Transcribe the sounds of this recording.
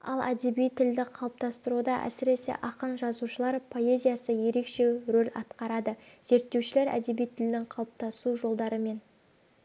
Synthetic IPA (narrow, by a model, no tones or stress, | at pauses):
ɑ̰lˠæd̪e̞bijt̪ʰɪld̪ɪqʰɑwˠəp̚t̪ɑst̪əɾud̪ɑʔæ̰sɪɾe̞se̞̰ʔɑqənʒɑzuʃəlˠɑɾpʰo̞e̞zʲijasəje̞ɾe̞kʃe̞ɾolʲɑt̪qɑɾɑd̪əz̥e̞ɾt̪ːe̞wʃɪle̞ɾæ̰d̪e̞bijt̪ʰɪld̪ɪŋqʰɑwˠəp̚t̪ɑsuʒo̞lˠd̪ɑɾəme̞n